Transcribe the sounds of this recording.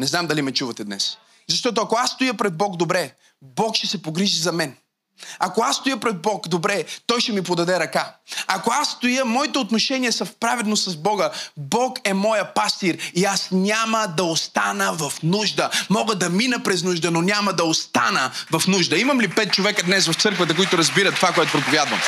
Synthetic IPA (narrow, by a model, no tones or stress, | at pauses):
nɛznamd̪ɐlimɛt͡ʃuvɐt̪ɛd̪nɛ̰s | zɐʃt̪ɔt̪̬oɐkoasːt̪ojəpɾɛd̪̚bɔɡd̪obɾɛ | bɔkʃt̪ɛsɛpoɡɾiʒizɐmɛn | ɐkoasst̪ojəpɾɛd̪̚bɔkd̪obɾɛt̪ɔjʃɛmip̬od̪ɐd̪ɛɾɐkaɐkoasːt̪ojəmɔit̪ɛot̪noʃɛnijəsɐfpɾavɛd̪nossɐzbɔɡəbɔkɛmɔjəpast̪iɾiasnʲaməd̪ɐost̪anəvɐfnuʒd̪əmɔɡəd̪ɐminəpɾɛznuʒd̪ənonʲaməd̪ɐost̪anəvɐfnuʒd̪əimɐmlipɛt̪̚t͡ʃovɛkəd̪nɛsvɐft̪sɤɾkvɐt̪ɐkoit̪ʊɾɐzbiɾət̪ːovakoɛt̪opɾopovʲjad̪vɐ̰m